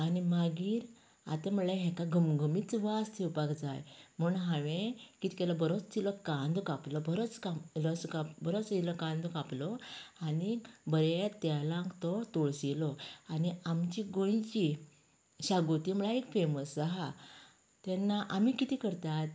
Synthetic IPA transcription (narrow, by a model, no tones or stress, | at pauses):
animaɡiːɾ | a̰t̪aməlaɦɛkaɡʱəmɡʱəmit͡sʋast̪ʰewpakd͡za̰jm̤ənɦãʋẽkit̪ʰikelɔbəɾɔt͡st̪ilɔkãnd̪kaplɔbʱəɾɔt͡skamlɔskabəɾɔt͡silɔkãnd̪ɔkaplɔanibəɾet̪jalãŋkt̪ɔt̪oɭsilɔaniamt͡ɕiɡoj̃t͡ɕi | ɕaɡot̪iməɭaekfeməsaɦa | t̪anːaʔamikit̪ikəɾt̪at̪